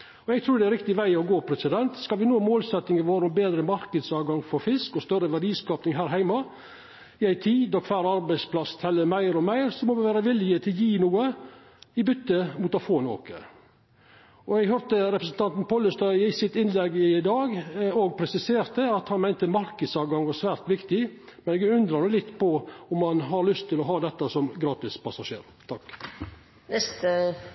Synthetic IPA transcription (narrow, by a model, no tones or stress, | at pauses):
ɔɛɡt̪ʰɾuːd̪ɛæɾɪk̚t̪ɪʋæɪɔɡoːpʰɾɛsɪd̪ɛnt̪skɑlʋɪnoːmoːlsɛt̪nɪŋɪʋoːɾəɔmbeːd̪ɾəmɑɾkəd̪sɑːʋɡɑŋfɔɾfɪskɔst̪œɾəʋæɖiːskɑːpnɪŋɦæːɾɦæɪmɑ | ɪæɪt̪ʰiːd̪ɔkfæːɾɑɾbæɪspʰlɑst̪ʰɛlːəɾmæɪɾɔmæɪɾsɔmɔʋɪʋæːɾəʋɪlɪət̪ʰɪljiːnuːə | ɪbʏt̪ːəmuːt̪ɑfoːno̰ːkə̰ | ɔɛɡɦœɾt̪əɾɛpɾəsn̩t̪ʰɑnt̪npʰɔləst̪ɑɪsɪt̪ɪnlɛɡːɪd̪ɑːɡɔɡpʰɾɛsɪseːɾt̪əɑt̪hɑnmæɪnt̪əmɑɾkəsɑːʋɡɑŋʋɑɾsʋæːɾt̪ʋɪkt̪ɪmɛnɛɡʉnd̪ɾəɾɛlɪt̪ːpɔɔmːɑnɦɑɾlʏst̪ʰːɪlɔɦɑːd̪ɛt̪ːɑsɔmɡɾɑːt̪ɪspʰɑsɑʂḛːɾ | t̪ʰɑk | nɛst̪ə